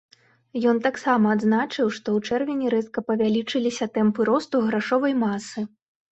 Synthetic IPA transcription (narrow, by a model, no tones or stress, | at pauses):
jɔnt̪aksamɐːd̪znat͡ʂɨwʂt̪ɔwt͡ʂɛrvʲinʲiɾɛt̪kɐpɐvʲalʲit͡ʂɨlʲisʲɐt̪ɛmpɨɾɔst̪uɣɾaʂɔvɐjmasɨ